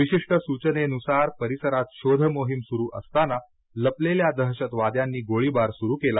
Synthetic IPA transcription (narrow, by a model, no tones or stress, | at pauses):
ʋiɕiʂʈəsut͡ɕəneənusaɾpəɾisəɾat̪ɕod̪ʱəmoɦimsuɾuːʔəst̪ana | ləpleljad̪əɦɕət̪ʋad̪janːiːɡoɭibaɾsuɾuːkela